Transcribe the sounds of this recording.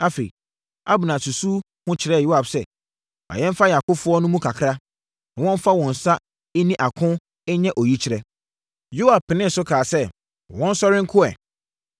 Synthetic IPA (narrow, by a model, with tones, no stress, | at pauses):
a˦fḛ˨ḭ˨ | a˦bʊ˨nã˨su˨su˦ | hʊ̃˦t͡ɕʰɪ˨ɾɛ˦˨jo˦a˨bsɛ˦˨ | a̰˨jɛ̃˦m˦fa˦ja˨kʊ˦fʊ˦ɔ˦nʊ̃˦mũ˦kʰa˨kʰɾa˦ | nã˨wɔ̃˦m˦fa˦wɔ̃˨n̩˨sa˦ | ɪ˦nĩ˦ʔa˨kʰʊ̃˦ | ɛ˦ɲɛ̃˦ʔo˨ji˦t͡ɕʰɪ˨˦ɾɛ˦ | jo˦a˨b̚pːɪ˨nɪ̃˦n̩˨sʊ˦kʰaː˨sɛ˦˨ | wɔ̃˦n̩˦sɔ˦ɾɪ̃˦ŋ˦kʰʊ˦ɛ̰˨